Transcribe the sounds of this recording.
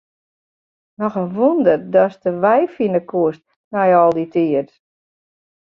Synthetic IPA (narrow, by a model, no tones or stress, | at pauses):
nɔxənʋundərdɔstəʋɛjfinəkʰuəst̚ | nɛjɔlˠditʰiət